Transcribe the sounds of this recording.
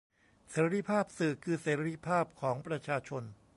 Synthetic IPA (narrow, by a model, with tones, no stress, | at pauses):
seː˩˦ɾɾi˧˥˩pʰaː˥˩p̚sɯː˨˩kʰɯː˧seː˩˦ɾɾi˦˥pʰaː˥˩p̚kʰɔː˩˦ŋpɾa˧t͡ɕʰaː˧t͡ɕʰo˧n